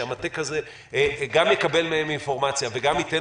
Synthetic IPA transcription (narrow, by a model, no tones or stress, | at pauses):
amat̪ekaze | ɡamjekabe̞lmeeminfo̞ʁmat͡sjave̞ɡamit̪e